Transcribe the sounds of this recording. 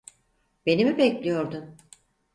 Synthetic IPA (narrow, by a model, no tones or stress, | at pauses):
be̞nimibɛclʲijo̞ɾd̪ʊm